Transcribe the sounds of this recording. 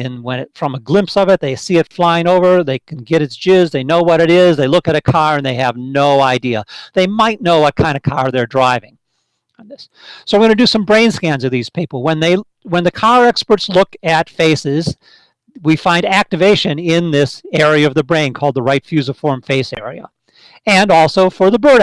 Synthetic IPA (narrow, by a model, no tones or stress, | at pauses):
ɨ̃nwə̃ntfɹʌ̃məɡlɪ̃mpsʌvɨt̪̚ðeɪsiɨtflaɪɪ̃ŋoʊvə˞ðeɪkʰn̩ɡɛɾɨtsd̥ʒ̥ɪzðeɪnoʊwʌɾɨɾɪzðeɪlʊkɨɾɨkʰɑɹɨ̃nðeɪɨvnoʊaɪdiə̰ðeɪmaɪtⁿnoʊwʌt̚kʰãɪ̃ndɨkʰɑɹðə˞dɹaɪvɪ̃ŋ | nðɪs | soʊə̃˞ɡʌ̃nɨdɨsʌ̃mbɹẽɪ̃nskæ̃nzʌvðiz̥pʰipl̩ˠwə̃nðeɪ | wə̃nðɨkʰɑɹɛkspə˞tslʊkɨtfeɪsɪz̥ | wifãɪ̃ndæk̚tɨveɪʃɨ̃nɪ̃nðɪsɛɹiɨʌvðɨbɹẽɪ̃nkʰɔlˠd̪̚ðəɹaɪtfjʉzəfɔɹɱfeɪsɛ̰ɹḭə̰ | ɨ̃nɔlˠsoʊfə˞ðəbɜ˞ɾ